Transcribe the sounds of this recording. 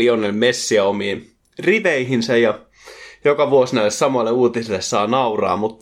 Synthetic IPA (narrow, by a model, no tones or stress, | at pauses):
ionelmesːiæomiːn | riʋeiɦinsɑjjɑ | jokɑʋuosnæylːˑessɑmɑlːeuːt̪iselːessɑːnɑurɑ̰ːmut̪ː